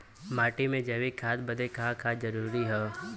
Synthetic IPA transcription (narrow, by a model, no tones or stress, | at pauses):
maːʈimẽd͡ʒɐʋikʰaːd̪bəd̪ekʰakʰaːd̪d͡ʒɐɾuːɾiɦɛː